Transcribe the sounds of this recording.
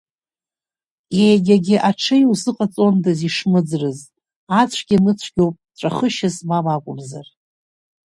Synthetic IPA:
jejɡʲaɡʲɪʔaʈ͡ʂʰɨjuzɨqʼat͡sʼo̞ndaziʂmɨd͡zrɨz | at͡ɕʷʰɡ̥ʲinɨt͡ɕʷʰɡʲo̞wpʼʈ͡ʂʷʼaχəʃazmamakʷʼʊmzar

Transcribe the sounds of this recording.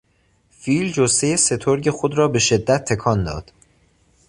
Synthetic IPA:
fiːld͡ʒost̪ejese̞t̪ʰoɾɟe̞xo̞d̪ɾɒːbe̞ʃe̞d̪ːæt̪ʰːe̞kʰɒːnd̪ɒ̰ːd̪̥

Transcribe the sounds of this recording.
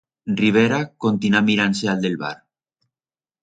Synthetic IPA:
riβ̞eɾakont̪inamiɾanseald̪elβa̰ɾ

